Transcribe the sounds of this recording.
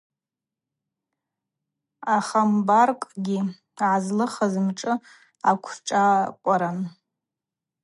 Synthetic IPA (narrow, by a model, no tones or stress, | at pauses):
aχambarkʼɡʲi | ʕazlɨχazɨmʈ͡ʂʼɨ | akʷʰʈ͡ʂʼakʷʼaɾan